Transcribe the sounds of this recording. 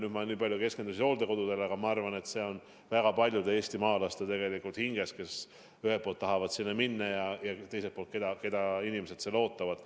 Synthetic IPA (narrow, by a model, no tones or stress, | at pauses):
nyd̪mɑniːpɑlʲjuke̞skend̪usʲino̞ːld̪̥eko̞d̪̥ud̪e̞lɑɡ̥ɑmɑɑrvɑne̞t̪se̞o̞n | væɡ̥ɑpɑlʲjud̪ee̞ːsʲt̪imɑːlɑst̪et̪e̞ɡ̥e̞likult̪hiŋɡ̥e̞ske̞s | yɦelpoːlt̪ːɑɦɑvɑd̪sinːɑminːɑjɑjɑt̪e̞jse̞lt̚polt̪̚ke̞d̪ɑke̞d̪ɑinimese̞t̪selo̞ːt̪ːˑɑvɑd̪̥